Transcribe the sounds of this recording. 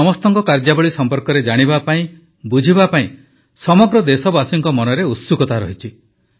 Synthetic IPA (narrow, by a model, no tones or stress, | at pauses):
ɔmɔst̪ɔŋkɔkaɾd͡ʒabɔɭisɔmpɔɾkɔɾed͡ʒaɽ̃ibapaĩ | bud͡ʒʱibapaĩ | sɔmɔɡɾɔd̪esɔbasiŋkɔmɔnɔɾeut̪sukɔt̪aɾɔɦit͡ʃʰi